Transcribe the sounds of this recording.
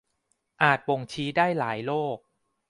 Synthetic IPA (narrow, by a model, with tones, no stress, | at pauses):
ʔaː˨˩t̪̚po˨˩ŋt͡ɕʰiː˦˥daː˥˩jlaː˩˦jloː˥˩k̚